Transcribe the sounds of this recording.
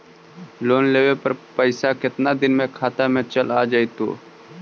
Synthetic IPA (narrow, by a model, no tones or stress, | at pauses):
loːnleːʋepəɾpəɪsakɪt̪nad̪ɪnmẽkʰaːt̪amẽt͡ʃəlaːd͡ʒaːit̪o̰ː